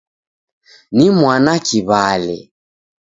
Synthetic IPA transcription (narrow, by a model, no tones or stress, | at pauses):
nimwanakiβalɛ̰